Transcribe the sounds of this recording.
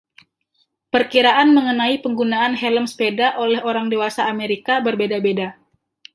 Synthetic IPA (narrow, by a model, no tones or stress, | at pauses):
pərkiɾaʔanməŋənaipəŋɡunaːnɦɛləmspedaʔolɛhoɾaŋdewasaːmeɾikabərbedabeda